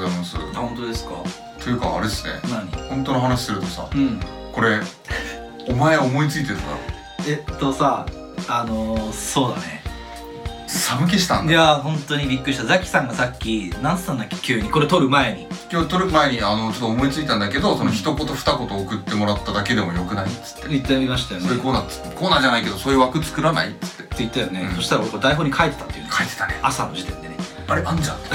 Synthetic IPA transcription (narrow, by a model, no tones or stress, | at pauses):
zaimasɨ̰hõ̞nt̪od̪e̞sɨ̥kɑ̰ | t̪ojɯ̟ka̰ːɾesɨnḛnaɲihõ̞nt̪o̞noɦanaɕi̥sɨɾɯ̟t̪o̞sa̰ɯ̃ɴ | ko̞ɾe̞ | omaeomo̞it͡sɨit̪eɾɯ̟nɡ̪a̰ | et̪ːo̞sa | ano̞so̞ːd̪a̰ne̞̰ | samɯ̟k̬eɕi̥t̪ã̰nd̪jaɦõ̞nt̪o̞ɲ̟ibʲikːɯit̪azakʲi̥sãŋɡasakʲːinãñsɨ̥t̪ãnd̪akʲːe̥kʲʰɨːɲ̟iko̞ɾet̪o̞ɾɯ̟mae̞ɲ̟ikʲot̪oɾɯ̟mae̞ɲ̟iano̞t͡ɕot̪ːoːmo̞it͡sɨit̪ãnd̪ake̞d̪o̞sonoçi̥t̪o̞kot̪oɸɯ̥t̪ako̞t̪oːkɯ̟t̪ːe̞mo̞ɾat̪ːad̪ake̞d̪e̞mo̞jokɯ̟nait͡sɨ̥t̪ːeit̪ːeaimaɕi̥t̪ajoneoɾkoːnḁkoːnaːd͡ʑanaike̞d̪oso̞ːjɯ̟ːβakɯ̟t͡sɨ̥kɯ̟ɾana̰it͡sɨ̥t̪ːe̞eit̪ːajone̞soɕi̥t̪aɾakoɾekod̪aiɦo̞ːɲ̟ikʰaet̪ːe̞t̪at̪ːejɯ̰nkait̪e̥t̪aneasano̞ʑit̪ẽ̞nd̪e̞ne | pːaɾiʔãɲd͡ʑã̰t̪